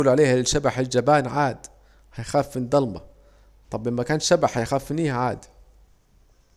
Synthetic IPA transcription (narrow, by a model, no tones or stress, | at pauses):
lʕaleːhalɪʃabaħɪld͡ʒabaːnʕaːd̪ | hajxaːfmɪnd̪ˤɑlmɑ̰ | t̪ˤɑbʔɪmːakaːnʃabaħhajxaːfːɪniːhʕaːd̪